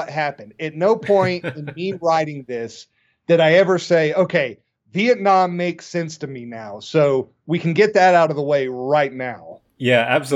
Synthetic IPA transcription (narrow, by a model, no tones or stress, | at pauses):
ʌt̚ɦæpɨ̃ndɨtⁿnoʊpʰɔ̃ɪ̃ntɨ̃nmiɹaɪɾɪ̃ŋðɪs | ðɨɾaɪɛvə˞seɪoʊkʰeɪ | viɨtⁿnɑ̃mːeɪksɛ̃nstɨminaʊsoʊ | wikʰn̩ɡɛt̪̚ðɨɾaʊɾʌvðəweɪɹaɪtⁿnaʊ | jææb̥s